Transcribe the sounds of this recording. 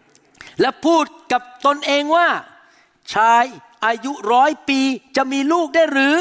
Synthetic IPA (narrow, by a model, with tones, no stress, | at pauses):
lɛ˦˥pʰuː˥˩t̪̚ka˨˩p̚t̪o˧nʔeː˧ŋwaː˥˩ | t͡ɕʰaː˧˥j | ʔaː˧ju˦˥ɾɔː˦˥jpiː˧t͡ɕa˨˩ʔmiː˧luː˥˩k̚daː˥˩jɾɯː˨˩˦